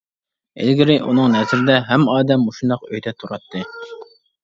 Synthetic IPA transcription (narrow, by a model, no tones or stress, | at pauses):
ɪ̰lɡʲɪɾɪʔṵnɨŋnɛzɾɪd̪ɛɦæmɑːd̪ɛmːuʃund̪ɑqøjd̪ɛt̪ʰuɾɑt̪ʰːɨ